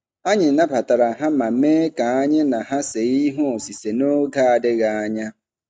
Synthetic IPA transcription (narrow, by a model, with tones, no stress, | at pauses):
a˦ɲɪ˨na˦pa˨ta˨ɾa˨ɦa˦ma˨meː˦ka˨a˦ɲɪ˦na˨ɦa˦se˨i˦ɦu˦o˨si˨se˨no˦ɡa˦a˨dɪ˦ɣa˨a˦ɲa˦